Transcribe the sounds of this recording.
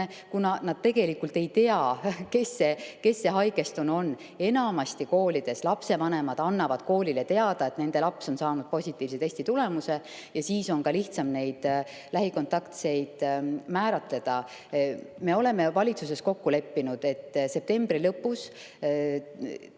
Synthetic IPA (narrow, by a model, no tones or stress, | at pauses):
kunɑnɑd̥̪̚t̪e̞ɡe̞likːult̪e̞jt̪e̞ɑke̞sːe̞ke̞sːe̞ɦɑjɡe̞st̪uno̞nː | e̞nɑmɑst̪iko̞ːlid̪̥e̞slɑpse̞vɑne̞mɑd̪̥ɑnːɑvɑd̪̥̚ko̞ːlilet̪e̞ɑd̪̥ɑe̞t̪ne̞nd̪̥e̞lɑpso̞nsɑːnud̪̥̚po̞sʲit̪ːˑiːvset̪e̞sʲt̪it̪ule̞muse̞ | jɑsiːso̞nkɑliht̪sɑmne̞jd̪̥ | læɦiko̞nt̪ɑkt̪se̞jd̪̥mæːɾɑt̪ˑle̞d̪̥ɑ | me̞o̞le̞me̞vɑlʲit̪sus̬e̞sko̞kːule̞pːinud̪̥e̞t̪ːse̞p̚t̪e̞mb̥ɾilɤpːus